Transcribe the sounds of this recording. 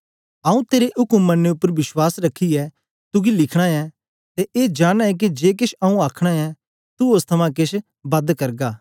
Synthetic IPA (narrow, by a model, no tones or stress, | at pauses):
ɐũt̪eːɾeʔʊkəmːɐnːeʊpːəɾʋɪswaːsɾɐkʰːiɛ | t̪ʊɡilɪkʰɽ̃aɛ | t̪eʔeːd͡ʒaːɽ̃aɛk̬id͡ʒeːk̬ɪʃɐũaːkʰɽ̃aɛ | t̪uost̪ʰɐmãk̬ɪʃ | bɐd̪kɐɾɡaː